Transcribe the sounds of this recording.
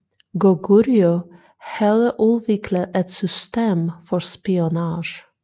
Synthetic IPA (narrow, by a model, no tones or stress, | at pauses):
ɡɔɡuɾjɔ | hɑd̪əʔʉːʋɪkʰləɛt̪sʏst̪eːmfɔɾspɪʊnɑːʃ